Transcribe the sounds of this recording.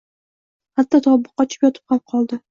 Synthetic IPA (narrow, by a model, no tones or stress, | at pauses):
hat̪ːɒt̪ʰɒbʊqːɑt͡ʃʰɪ̥pjɒt̪ʰɪ̥p̚qap̚qʰɒlˠd̪ɪ